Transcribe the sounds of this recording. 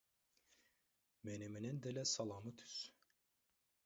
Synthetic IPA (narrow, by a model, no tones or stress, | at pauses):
meneminind̪elɛsɑlˠɑmɯt̪ʰy̥s